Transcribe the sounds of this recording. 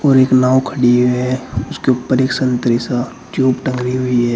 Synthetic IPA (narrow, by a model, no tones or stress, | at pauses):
ɔːɾeːknaːwkʰəɽiɛʊskeupəɾeːksə̃nt̪ɾisa | ʈjuːbʈə̃ŋɡɾiɦʊiɦɛː